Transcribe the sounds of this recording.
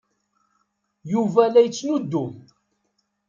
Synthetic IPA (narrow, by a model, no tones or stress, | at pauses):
juvælæjət͡sːnud̪ːʊm